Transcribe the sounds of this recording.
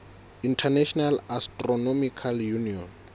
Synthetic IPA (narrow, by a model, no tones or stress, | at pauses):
intʰanaʃʰɔnalastʼrɔnɔmikʰaljuniɔn